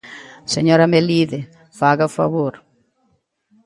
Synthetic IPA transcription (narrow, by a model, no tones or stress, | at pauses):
seɲɔɾameliðe | faɣafa̰βoɾ